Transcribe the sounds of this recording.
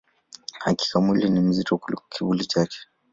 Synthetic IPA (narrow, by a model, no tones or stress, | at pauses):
haki̥kamwilinim̩zitɔkulikɔ̥kiɓulit͡ʃakɛ̥